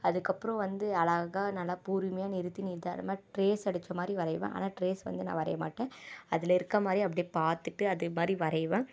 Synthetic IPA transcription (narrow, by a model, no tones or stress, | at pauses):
ɐðɯkːɐpːɯɾɔ̃ʋɐnd̪ɯɐlɐɣaːnɐlːaːpuːɾmɐjaːnɪɾɯt̪ːiniɾd̪a̰ːlɐ̰maːʈɾeːsɐɽɯt͡ʃːɐmaːd̪ɾiʋɐɾɐɪʋḛ̃ʔa̰ːnaːʈɾeːsʋɐ̰nd̪ɯnã̰ːʋɐɾɐ̰jɐmaːʈːẽːɐðɪlɐɪɾɯkːɐmaːd̪ɾiɐpːɐɽijpaːɾt̪ɯʈːɯɐðɯmaːd̪ɾiʋɐɾɐɪʋẽː